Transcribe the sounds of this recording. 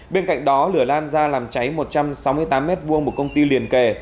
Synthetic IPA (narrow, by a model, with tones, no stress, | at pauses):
ɓe˧nka̰˧˨jŋ̟ɗɔ˨˦lɨ˧˩əlaː˧nzaː˧laː˨˩mt͡ɕa˨˦jmo˨˩t̚t͡ɕa˧msa˨˦wmɨ˧əjt̪aː˨˦mːɛ˦˥t̚vu˧əŋmo˨˩t̚kə˧wŋ͡mt̪i˧li˨˩ənke˧˩